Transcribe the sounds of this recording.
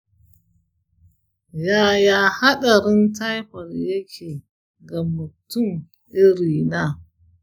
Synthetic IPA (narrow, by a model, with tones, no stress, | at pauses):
jaː˦jaː˦ha˦ɗɐ˨ɾɪ˦nta˦jɸɐ˨rjɐ˦kʲʰeː˨ | ɡa˨mːʊ˨tʊ˦˨m | ʔɪ˦ɾiː˨naː˦